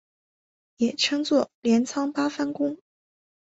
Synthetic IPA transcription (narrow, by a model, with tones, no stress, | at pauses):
jɛ˨˩ʈ͡ʂʰɤ˥ŋt͡swɔ˥˩ljɛ˧˥nt͡sʰɑ˥ŋpa˥fa˥nkʊ˥ŋ